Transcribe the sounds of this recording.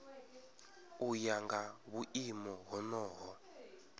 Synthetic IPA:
ujaŋɡaβuʔimɔɦɔnɔːɦɔ

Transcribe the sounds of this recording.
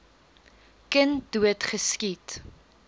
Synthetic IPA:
kənd̥uətχəskit

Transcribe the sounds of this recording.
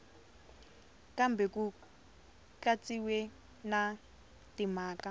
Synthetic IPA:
kambɛku | t͡ɬat͡sʼiwɛ | na | timaːkʼa

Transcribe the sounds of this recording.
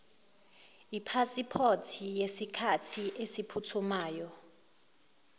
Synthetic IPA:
ipʰasipʰotʰijesikʰatʰiʔesipʰutʰumaːjɔ

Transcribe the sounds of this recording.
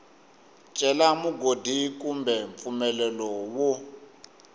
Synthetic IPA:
t͡ʃʼɛlamuɡʱodʱikʼumbʱɛɱfumɛlɛlɔwɔ

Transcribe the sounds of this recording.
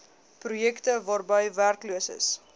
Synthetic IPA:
prujɛktəvɑːrbəjværkluəsə̰s

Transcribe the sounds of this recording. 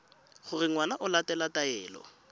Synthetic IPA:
χʊrɪŋwanaʔʊlatɛlatʼaɛːlɔ̰

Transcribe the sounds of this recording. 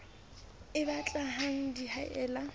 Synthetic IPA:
ɪbat͡ɬʼaɦaŋ̩dihaʔɛːla

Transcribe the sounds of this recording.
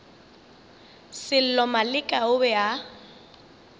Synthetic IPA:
sɪl̩lɔmalɪkʼaʊbɛa

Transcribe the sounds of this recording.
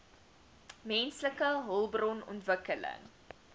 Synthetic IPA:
mɛnsləkəɦəlˠbrɔnɔ̰ntvəkələ̰ŋ

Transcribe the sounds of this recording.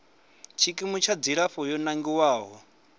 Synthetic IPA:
t͡ʃʰikʼimut͡ʃʰad͡ziɺaɸɔjɔnaŋɡiwaːɦɔ

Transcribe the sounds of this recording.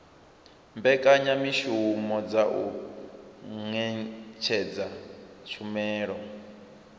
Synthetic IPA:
mbɛkʼaɲamiʃumɔd͡zaʔu | ŋɛt͡ʃʰɛd͡zat͡ʃʰumɛːɺɔ

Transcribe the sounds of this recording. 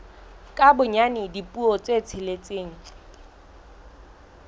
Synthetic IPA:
kʼabʊɲanɪdipʼuɔt͡sʼet͡sʰɪlet͡sʼeːŋ̩

